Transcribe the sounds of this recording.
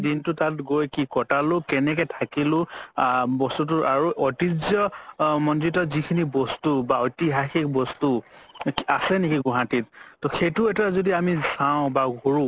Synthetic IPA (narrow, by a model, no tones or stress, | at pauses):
dintʊtatɡojkikɔtalʊkɛnɛkɛtʰakilʊ̃ | bɔstut̬ʊʔaɹuʔɔtizɔmɔndɹitɔzikʰinibɔstubaɔjtiɦaxik̚bɔstu | asɛnekiɡʊɦatit̚tɔxetʊɛtaazodiamisaʊ̃baɡʱoɹʊ̃